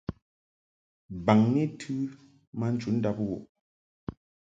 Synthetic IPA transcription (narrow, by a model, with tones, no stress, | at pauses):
ba˨ŋni˦tʰʉ˦ | ma˦n̩˦t͡ʃu˨˦n̩˦da˦p̚wɔ̰˨ʔ